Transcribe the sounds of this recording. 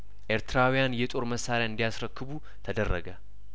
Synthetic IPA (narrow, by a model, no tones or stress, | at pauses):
ʔeɾt̪ʰɨɾawjanjɛt̪ʼo̞ɾməsːaɾjaɨnd̪ijasɾəkːɨβu | t̪ʰəd̪ərːəɡə